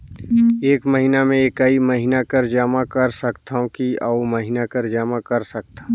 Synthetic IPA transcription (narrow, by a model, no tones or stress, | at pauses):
eːkməɦinamẽekaiməɦɪnakəɾd͡ʒaːmãkɐɾsəkt̪aõkiauməɦɪnakəɾd͡ʒaːmakɐɾsɐk̚t̪ḁ